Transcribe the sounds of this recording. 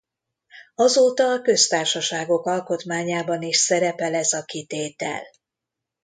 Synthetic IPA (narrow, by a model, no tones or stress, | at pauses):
ɒzoːt̪ɒːkø̞st̪aːrʃɒʃaːɡo̞kɒlko̞t̪maːɲaːbɒniʃsɛɾɛpɛlɛzɒkit̪eːt̪ɛ̰l